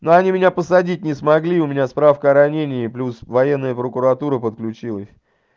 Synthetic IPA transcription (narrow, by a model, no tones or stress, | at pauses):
noɐnʲimʲɪnʲapəsɐdʲit̚ʲnʲɪsmɐɡlʲiʊmʲɪnʲaspɾafkəɐɾɐnʲenʲɪɪplʲusvɐjenːəjəpɾəkʊɾɐt̪uɾəpət̪̚klʲʉt͡ɕilˠəsʲ